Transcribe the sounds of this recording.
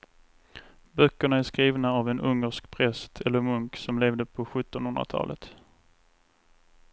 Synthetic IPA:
bœkːəɳaæʂkɾiːvnaavɛnʔɵŋːəʂkpʰɾɛst̪ʰɛlːəɾmɵŋksɔmleːvd̪əpʰɔɧɵt̪ːɔnhɵnd̪ɾa̰t̪ʰɑ̰ːlə̰t̪

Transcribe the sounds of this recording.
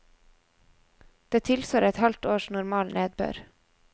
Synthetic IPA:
d̪̥eːt̪ʰɪlsʋoːɾɛt̪hɑlt̪oːʃnʊɾmɑːlnʔeːd̪̚bø̰ːɾ

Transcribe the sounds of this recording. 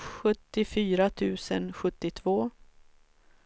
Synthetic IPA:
ɧɵt̪ːɪfyːɾat̪ʰʉ̟ːsənɧɵt̪ːɪt̪ʰvoː

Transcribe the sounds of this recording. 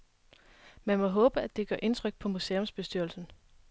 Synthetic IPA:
mænmɒ̽ɦɔ̽ːb̥əæd̥e̝ɡ̥ɶɐʔe̝nt͡sʰʁœɡ̥̚pʰɒ̽museːɔ̽msb̥e̝sd̥yɐlsn̩

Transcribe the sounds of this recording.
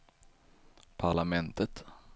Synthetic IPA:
pʰaɭamɛnt̪ət̪

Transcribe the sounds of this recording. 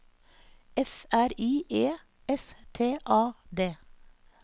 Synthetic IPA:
ɛfæɾiːʔeː | ɛst̪ʰeːʔɑːd̪eː

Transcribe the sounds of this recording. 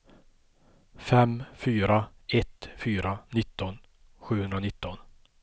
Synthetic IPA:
fɛmfyːɾa | ɛt̪fyːɾanɪt̪ːɔn | ɧʉ̟ːhɵnd̪ɾanɪt̪ːɔn

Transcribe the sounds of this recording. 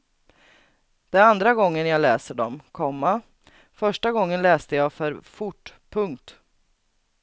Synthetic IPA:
d̪̥ɛnand̪ɾaɡɔŋːənjalɛːsəɖɔmkʰɔmːa | fœʂʈaɡɔŋːənlɛːst̪əjaːfœɾfʊʈːpʰɵŋkt̪

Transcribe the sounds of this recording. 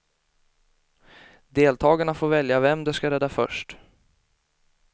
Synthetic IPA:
d̪eːlt̪ʰɑːɡaɳafoːɾvɛljavɛmd̪ɛskaɾɛd̪ːafœ̰ʂʈ

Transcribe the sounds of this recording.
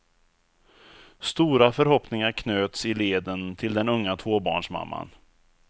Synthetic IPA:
st̪uːɾafœɾhɔpnɪŋaɾkʰnøːt̪sɪleːd̪ənt̪ʰɪld̪ɛnɵŋːat̪ʰvoːbɑ̰ːɳʂma̰mːa̰n

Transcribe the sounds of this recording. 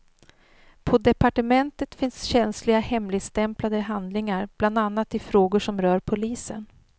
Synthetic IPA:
pʰɔd̪ɛpaʈəmɛnt̪ət̪fɪnsɕɛnslɪɡahɛmlɪɡ̪st̪ɛmplad̪əɦand̪lɪŋaɾb̥land̪anːat̪ːɪfɾoːɡʊʂɔmɾœːɾpʰʊliːsə̰n

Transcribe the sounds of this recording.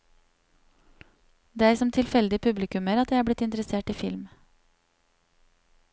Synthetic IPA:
d̪eːæɪsɔmt̪ʰɪlfɛld̪ɪəpʰʉblɪkʉməɾɑt̪jæɪæːblɪt̪ɪnt̪əɾəseːʈiːfɪlm

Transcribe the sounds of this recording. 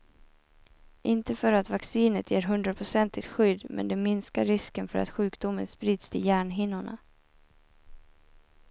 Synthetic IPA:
ʔɪnt̪əfœɾat̪vaksiːnət̪ʰjeːɾɦɵnd̪ɾapʰɾʊsɛnt̪ɪt̪ɧʏd̪ːmʔɛ̰nd̪ɛmɪnskaɾːɪskənfœɾa̰t̪ɧʉ̟ːkd̪ʊmənspɾiːd̪st̪ʰɪljæːɳɦɪnːʊɳa̰

